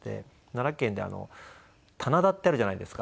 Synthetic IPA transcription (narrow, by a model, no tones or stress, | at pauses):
t̪e̞̰ | naɾakẽ̞nd̪e̞̰a̰no̰ | t̪ʰanad̪at̪ːe̞aɾ̟ʑanaid̪e̞sɨ̥ka